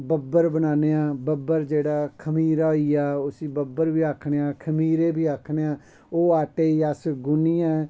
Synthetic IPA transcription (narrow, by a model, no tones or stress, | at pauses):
bəbəɾbənaːneːãːbəbəɾd͡ʒeːɽaːkʰəmiːɾaːoiːaːʊsiːbəbəɾʋiːaːkʰɳeːaːkʰəmiːɾeːbiːaːkʰɳeːãː | oːaːʈeːiːəsɡʊniːɛː